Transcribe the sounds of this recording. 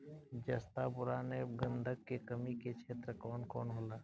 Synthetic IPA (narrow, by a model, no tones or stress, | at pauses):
d͡ʒɐst̪apʊɾaːneɡə̃nd̪ʱəkːekəmiket͡ʃʰeːt̪ɾəkɔːnkɔːnɦoːlaː